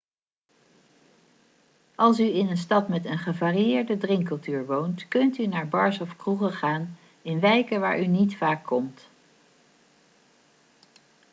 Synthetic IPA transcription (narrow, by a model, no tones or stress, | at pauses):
ʔɑlˠsyɪnənstɑtmɛtənχəvaːrijɪːɹdədrɪŋkɵlˠtyːɹʋowntkɵntynaːɹbɑɹsɔfkruχəχaːn | ɪnʋɛjkəʋa̰ːɹʔynitfaːkːɔmt